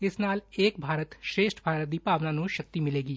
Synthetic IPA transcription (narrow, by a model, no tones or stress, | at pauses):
ɪsnaːleːkbʱaːɾət̪ʃɾeːʃʈʰbʱaːɾət̪̚d̪ipaːʋnanũʃɐk̚t̪imɪleːɡiː